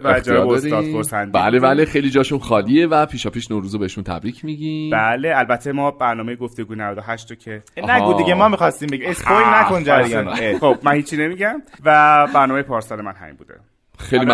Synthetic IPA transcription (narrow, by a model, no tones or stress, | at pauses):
bæed͡ʒdoɾiɒːd̪oɾsænd̪biæ̰lebælexejlid͡ʒɒːʃunxɒːlievæpʰiːʃɒːpʰiːʃnoɾuːzobehʃunt̪ʰæ̰bɾiːcʰmiɟibæleælbæt̪ʰːemɒːbæɾnɒːmejeɡo̞ft̪e̞ɡuːjnævæd̪oɦæʃt̪ocʰenæuːd̪iɡemɒːmixɒst̪imbeɟimeskolnækond͡ʒæɾɡænexob̥̚mænhiːt͡ʃʰːine̞miːɟæmvæbæɾnɒːmejepʰɒːɾsɒle̞mænɦæ̰mḭmbṵːd̪e̞̰ | xejlli